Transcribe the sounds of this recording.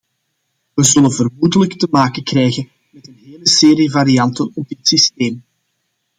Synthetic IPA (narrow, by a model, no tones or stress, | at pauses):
ʋəzɵlənvərmudələktəmaːkəkrɛjɣən | mɛtənɦeːləseːɾivaɾiɑntənɔb̚dɪtsisteːm